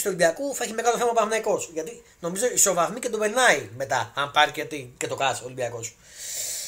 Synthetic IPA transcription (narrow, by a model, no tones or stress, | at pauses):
st̪uo̞libiɐkuθɐeçimekɐloθemɐpɐfnɐiko̞sʝɐt̪i | no̞mizo̞iso̞vɐθmicet̪opeɾnɐime̞t̪ɐɐmpɐɾicet̪icet̪okɐsoːlibiɐko̞s